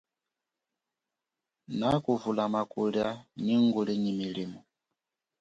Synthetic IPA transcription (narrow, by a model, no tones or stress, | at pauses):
nakuvulamakuɺjaɲiŋɡuɺiɲimiliːmɔ